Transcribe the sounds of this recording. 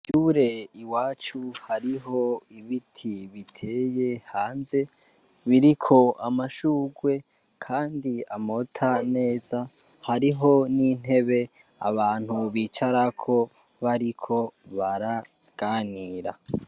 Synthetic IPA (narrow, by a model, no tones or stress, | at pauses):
ɟuɾe̞iwaːt͡ʃuhaɾiɦo̞iβitʰiβitʰe̞je̞haːnze̞ | βiɾikʰo̞ʔamaʃuːɡwe̞ | kʰaːndiamo̞tʰane̞ːza | haɾiɦo̞nin̥he̞βe̞ | a̰βaːn̥huβiːt͡ʃaɾakʰo̞ | βaɾikʰo̞βaɾa | ɡ̥aːniːɾa